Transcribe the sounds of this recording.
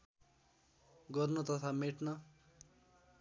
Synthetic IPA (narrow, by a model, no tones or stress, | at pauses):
ɡʌrnut̪ʌt̪ʰameʈnʌ